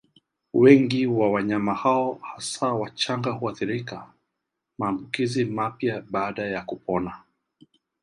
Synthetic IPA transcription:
wɛŋɡiwawaɲamahaɔhasawat͡ʃaŋɡahuaθiɾika | maːmbukizimapjaɓaːɗajakupɔna

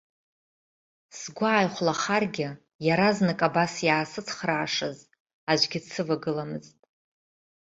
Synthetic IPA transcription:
sɡʷaːjχʷlaχarɡʲɪ | jaɾaznɨkʼabasjaːsɨt͡sʰχraːʂɨz | aʒʷɡʲɪt͡sʰɨvaɡɨlamɨztʼ

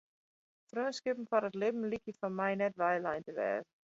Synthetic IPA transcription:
fɾœːskɪpm̩faɾətlɪbm̩likifɔmajnɛtvajlajntəvɛ̰ːð

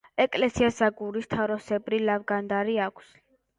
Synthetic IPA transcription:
ɛkʼlɛsiasaɡuɾist̪ʰaɾɔsɛbɾilavɡand̪aɾiakʷʰs

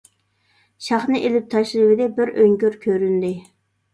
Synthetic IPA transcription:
ʃɑχnɨʔelɪp̚t̪ʰɑʃlɨvɪd̪ɛbɪɾøŋkʲøɾkʲʰøɾynd̪ɪ

